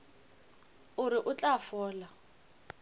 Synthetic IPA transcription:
ʊɾɪʔʊt͡ɬʼafɔːla

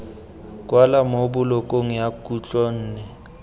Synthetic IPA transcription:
kʼwalamobʊlɔkʼoŋ̩jakʼut͡ɬʼɔn̩ːnɛ

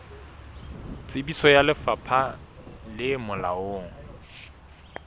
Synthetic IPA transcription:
t͡sʼɪbisɔjalɪfapʰalɪmʊla̰oːŋ̩

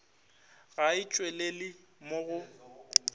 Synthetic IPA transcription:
ɣaɪt͡ʃʼwelelɪ | moɣʊ

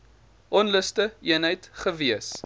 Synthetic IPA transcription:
ʔɔnləstəiənɦəjtχəviəs

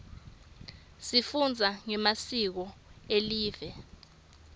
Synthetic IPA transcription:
sifund͡zʱaŋɛmasik̬ɔeliːvɛ

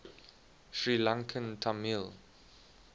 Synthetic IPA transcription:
ʃɹilãŋkʰə̃ntʰamil

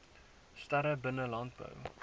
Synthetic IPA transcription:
stɐɾəbənəlɑnt̚bə̰w

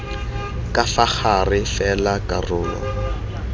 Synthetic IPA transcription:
kʼafaχarɪfɛlakʼarʊːlɔ̰

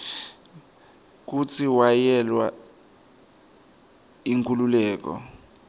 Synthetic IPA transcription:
k̬ut͡sʰiwajɛlwa | iŋkʰʼululɛːk̬ɔ̰

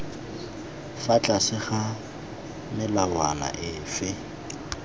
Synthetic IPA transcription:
fat͡ɬʼasɪχa | mɪlawa̰na̰ʔɪfɪ

